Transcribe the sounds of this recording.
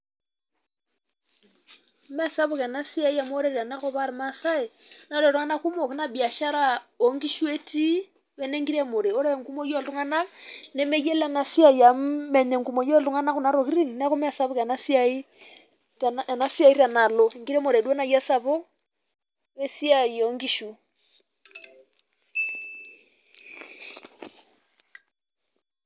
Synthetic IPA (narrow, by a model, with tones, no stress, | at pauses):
m˦a˦sa˦βo˦ka˨na˦si˦a˦i˦ja˨mo˦ɾe˦˨ɾi˨a˨na˦ko˦βa˦ɾma˦sa˦e˨ | na˦le˨ɾo˦ŋa˦na˦ku˦mo˨ke˦na˨bi˨a˨ʃa˦ɾa˦o˨ŋɡi˦ʃwe˦ti˦ | wɛ˦ne˦ŋɡi˦ɾe˦mo˨ɾe˨o˦ɾa˦e˨ŋku˦mo˦jo˦˨lu˦ŋa˦na˦nɛ˦me˦je˦la˨na˨si˦a˦i˨ja˨mɛ˨ɲɛ˨ŋɡu˨mɔ˨jɔ˦lu˦ŋa˦na˦ku˨na˨ɾɔ˨ki˦ɾi˦ŋna˦ku˦mɛ˦a˨sa˦βɔ˦ka˨na˦si˦a˦i˦˨ | a˨na˦si˦a˦i˦ɾa˨na˨lɔ˨ŋɡi˦ɾɛ˦mo˨ɾɛ˨dwɛ˦na˨ja˦sa˨βɔ˦ | wɛ˦si˦a˦˨i˨ɔ˨˦ŋɡi˦ʃu˨